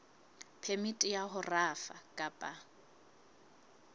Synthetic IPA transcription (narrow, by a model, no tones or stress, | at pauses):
pʰemitʼɪjaɦʊrafakʼapʼa